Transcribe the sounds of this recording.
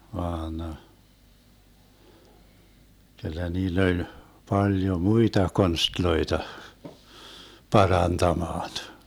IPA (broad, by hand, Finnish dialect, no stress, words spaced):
ʋɑːn kylːæ niːlː olʲ pɑljo muitɑ konstloitɑ pɑrɑntɑmɑːn